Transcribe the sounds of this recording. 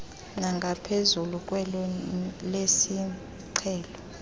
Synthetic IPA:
naŋɡʱapʰezulukʼwɛlɔlesi | ǀʰɛːlɔ

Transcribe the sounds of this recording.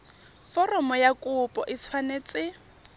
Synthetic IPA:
fɔrɔmɔjakʼʊpʼɔʔɪswanet͡sʼɪ

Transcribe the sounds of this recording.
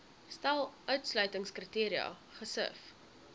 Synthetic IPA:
stælˠʔœɥtslœɥtəŋskrətiːɾiɐ̰ | χəsə̰f

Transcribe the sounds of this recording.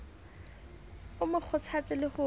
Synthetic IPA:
ʊmʊk͡xʰʊt͡sʰat͡sʼɪlɪhʊ

